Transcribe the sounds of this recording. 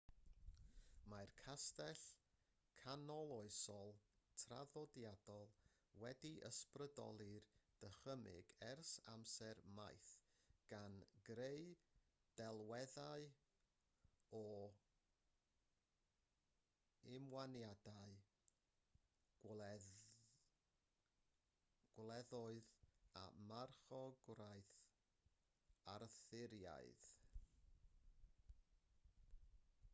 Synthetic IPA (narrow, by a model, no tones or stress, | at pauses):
markʰastɛɬ | kʰanɔlˠɔɨsɔlˠtʰra̰ðɔdjad̥ɔlˠ | wɛdiʔə̰sprədɔ̰lˠɨrd̥əχəmɪ̰ɡɛrsa̰msɛrma̰jθɡ̥anɡɾeɨ | d̥ɛlˠwɛðaɨ | ɔ | ɪmwanjadaɨ | ɡ̥wlɛðɔɨða̰marχɔɡwrajθ | arθɪɾja̰ɨð